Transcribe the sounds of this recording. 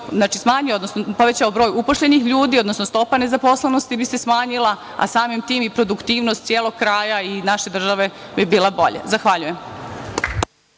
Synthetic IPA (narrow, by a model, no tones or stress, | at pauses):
znaːt͡ʃismaːɲiod̪nosnopo̞ʋet͡ɕaobɾoːjupoʃʎe̞nixʎuːd̪io̞d̪nosnost̪o̞pane̞zaposlˠenost̪ibisesmaːɲilˠa | a̰saːmimt̪iːmipɾo̞d̪ukt̪iːʋnost̪sʲjeːlˠoɡ̚kɾaːjainaʃed̪r̩ʒaʋe̞bibiːlabo̞̰ʎḛzaxʋaʎujem